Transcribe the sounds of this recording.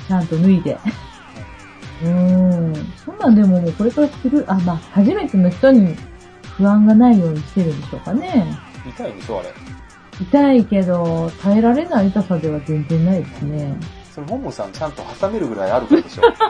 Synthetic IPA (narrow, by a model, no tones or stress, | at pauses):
t͡ɕãnt̪o̞nɯ̟id̪e̞̰ | ɯ̟̃ː | sõ̞nːãnd̪e̞momoːko̞ɾe̞kaɾasi̥t̪eɾɯ̟ʔamaːhaʑime̞t̪e̞no̞çi̥t̪o̞ɲ̟i | ɸɯ̟ãŋɡanaijo̞ːɲ̟iɕi̥t̪e̞ɾɯ̟nd̪e̞ɕo̞̰ːkane̞ | it̪aiɲisoa̰ɾḛ | it̪aike̞d̪o̞t̪ʰae̞ɾaɾe̞naiɯt̪asad̪e̞β̞azẽ̞nzẽ̞nːaid̪e̞sɨne̞sonoɦõmːosã̰t͡ɕãnt̪o̞hasame̞ɾɯ̟ɡɯ̟ɾa̰iaɾɯ̟kd̪eo